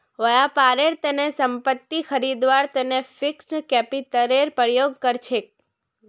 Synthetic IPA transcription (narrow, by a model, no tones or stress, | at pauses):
ʋəjapaɾeɾt̪enesəmpət̪ːixʰəɾid̪ʋaɾt̪enefikskɛpit̪əɾeɾpɾjoɡ̚kəɾt͡ʃʰek̚